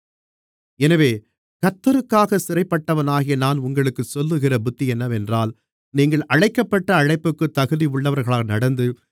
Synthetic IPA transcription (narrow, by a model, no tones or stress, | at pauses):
ɛnɐʋeː | kɐt̪ːɐɾɯkːaːɣɐsɪrɐɪpːɐʈːɐʋɐnaːɣɪjɐnaːnʊŋɡɐɭɯkːɯsɔlːɯɣɪrɐbʊt̪ːijɛnːɐʋɛndraːl | niːŋɡɐɭʔɐɻɐɪkːɐpːɐʈːɐːɻɐɪpːɯkːɯt̪ːɐɣɯðiʊɭːɐʋɐɾɣɐɭaːnɐɽɐnd̪ɯ